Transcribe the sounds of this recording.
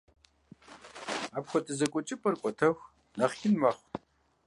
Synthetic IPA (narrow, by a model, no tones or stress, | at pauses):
aːpxʷɔtʼɨzɐkʷʼɔt͡ʃʼɪpʼɐrkʷʼɔtʰɐxʷ | nɐχxɪnmɐχʷ